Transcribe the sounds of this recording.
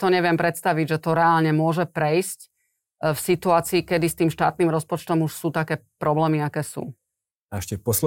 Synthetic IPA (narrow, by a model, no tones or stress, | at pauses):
t̪ɔɲɛʋɪɛmpɾɛt̪st̪aʋiɟʒɛt̪ɔɾɛaːlɲɛmʊɔʒɛpɾɛjsc | fsit̪uaːt͡siːkɛd̪ist̪iːmʃt̪a̰ːt̪̚niːmɾɔspɔt͡ʃt̪ɔmuʃsuːt̪akɛːpɾɔblɛːmiakɛːsṵː | ɛʃcɛfpɔsl